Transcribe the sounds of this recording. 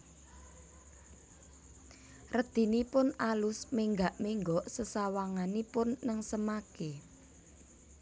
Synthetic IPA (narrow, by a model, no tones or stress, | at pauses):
rəd̪̥i̤nipʊnalʊsmeŋɡaʔmeŋɡɔʔsəsawaŋanipʊnːəŋsəmake